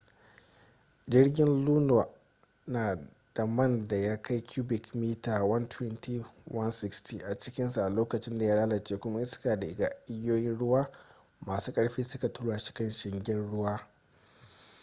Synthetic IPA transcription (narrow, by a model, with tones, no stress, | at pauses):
d͡ʒɪ˦ɽɡʲɪ˦nluː˦na˨ | naː˨ | d̥a˨mɐ˦˨nda˨ja˦kʰa˦jkʲʰuː˦bɪ˨kmiː˦taː˨wɐ˦ntwɛ˦nti˦wɐ˦nsɪ˦kstiː˨ʔa˨t͡ʃɪ˦kʲɪ˦nsu˨ʔa˨loː˦kɐ˨t͡ʃɪ˦nda˨jaː˦laː˦lɐ˨t͡ʃeː˦kʷʊ˦ma˦ʔɪ˦skaː˨da˨ʔɪ˨ɡaː˨ʔɪ˦jːoː˦jɪ˦nɽʊ˦waː˦ | maː˨suː˦kʼɐ˦ɽɸiː˦sʊ˦ka˨tʊ˦ɽaː˨ʃɪ̥˦kɐ˦nʃɪ˨ŋɡʲɪ˦nɽʊ˦waː˦